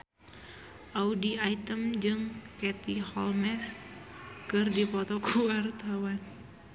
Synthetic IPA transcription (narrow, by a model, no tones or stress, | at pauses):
ʔaudiait̪əmd͡ʒɨŋkɛt̪ihɔlmɛs | kɨrdipɔt̪ɔkʰəwart̪awan